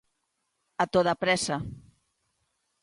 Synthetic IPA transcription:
at̪oðapɾɛsa

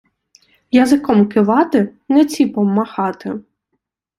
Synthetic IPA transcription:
jɐzɪkɔmkɪʋɑt̪ɪnɛt͡sʲipɔmːɐxɑt̪ɪ

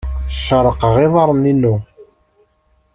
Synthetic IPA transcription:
ʃːəɾˤːəqəʁɪðˤɑɾˤninːu

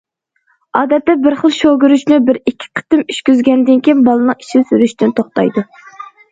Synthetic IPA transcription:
ɑːd̪ɛt̪ːɛbɪɾχəlˠʃoɡʲyɾyʃnɪbɪɾikʲʰːi̥qʰə̥t̪ɪmyʃkʲyzɡʲɛnd̪ɪnkʲejnbɑlˠɨnɨŋi̥ʃisyɾyʃt̪ɪnt̪ʰoχt̪ɑ̰jd̪u

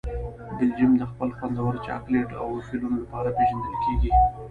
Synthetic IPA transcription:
bɪld͡ʒimd̪əxpəlxwand̪awəɾt͡ʃɑ̰kleʈa̰wfilunolapɑɾapeʒand̪əlkeɡi

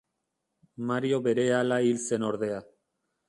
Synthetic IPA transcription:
maɾio̞βe̞ɾe̞alailse̞no̞ɾðe̞a

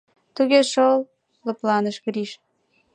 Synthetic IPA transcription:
t̪uɣʲeʃol | lə̆plɑnəʃɣɾiʃ

